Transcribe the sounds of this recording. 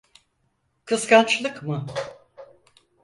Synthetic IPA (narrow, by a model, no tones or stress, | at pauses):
kʰɯskant͡ʃlˠɯkmɯ